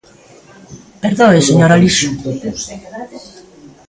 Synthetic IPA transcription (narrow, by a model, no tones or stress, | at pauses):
peɾðõeseɲoɾaliʃu